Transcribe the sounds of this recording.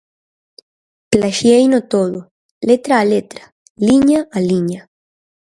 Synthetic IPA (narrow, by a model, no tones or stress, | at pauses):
plaʃjejnot̪oðo | let̪ɾaːlet̪ɾḁ | liɲaʔaliɲa